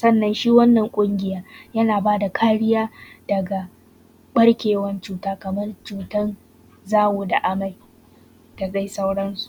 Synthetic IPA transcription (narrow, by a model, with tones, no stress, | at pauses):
sɐ˦nːɐ˨nʃiː˦wɐ˦nːɐ˨ŋkʷʼʊ˦ŋɡʲɪ˨jaː˦jɐ˦naː˨baː˦da˨kʰaː˦ɽɪ˦jaː˦d̥ɐ˨ɡa˨ | ɓɐ˦ɽkʲeː˨wɐ˦nt͡ʃuː˦taː˦kɐ˨mɐ˦rt͡ʃuː˦˨tɐ˦n | zaː˦wuː˨da˨ʔa˦ma˨j | ta˨za˦jsa˦wɽɐ˦nsu̥˨ʔ